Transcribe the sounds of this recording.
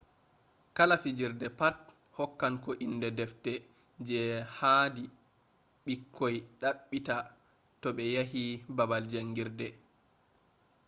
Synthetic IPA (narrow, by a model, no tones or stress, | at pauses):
kalafid͡ʒiɾdɛpat̚ | hɔkːankɔʔinːdɛdɛftɛ | d͡ʒɛhadi | ɓikʰːojɗaɓːita | tɔɓɛjaɦibabald͡ʒaŋːɡiɾdɛ